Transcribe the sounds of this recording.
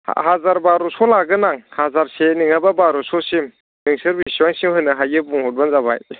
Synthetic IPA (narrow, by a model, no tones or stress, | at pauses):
hazaɾbaɾusɔlaɡɯnaŋhazaɾseniŋababaɾɔsɔsim | niŋsɯɾbisiwaŋsimhɯjnɯɦajɡɯbuŋhɔt̚banzaβa̰j